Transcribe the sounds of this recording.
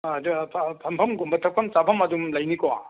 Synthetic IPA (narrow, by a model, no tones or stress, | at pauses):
ɐdupʰpʰɐmpʰɐmɡumbɐtʰɐk̚pʰɐmt͡ʃapʰɐmɐdumlɐjnikɔ